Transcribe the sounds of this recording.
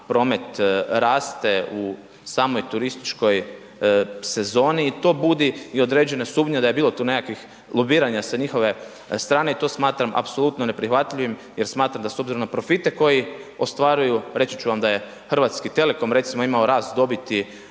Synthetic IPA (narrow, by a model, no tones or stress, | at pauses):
pɾo̞ːme̞t̪ɾaːst̪e̞u | saːmo̞jt̪uɾist̪i̥t͡ʃko̞j | se̞zo̞ːniːt̪o̞ːbud̪iio̞d̪ɾe̞ːd͡ʑe̞nasuːbɲed̪aje̞biːlˠot̪uːne̞kakʋix | lˠobiːɾaɲasaɲixo̞ʋe̞ | st̪ɾaːneit̪o̞ːsmaːt̪ɾama̰pso̞lˠut̪no̞ne̞pɾixʋat̪ʎiʋimjeɾsmaːt̪ɾamd̪aso̞bziɾo̞mnapɾo̞fit̪e̞ko̞jiost̪ʋaːɾujuɾe̞tsit͡ɕuʋamd̪aje̞ | xr̩ʋat̪skit̪e̞leko̞mɾe̞t̪simoimao̞ɾaːst̪̚d̪o̞bit̪i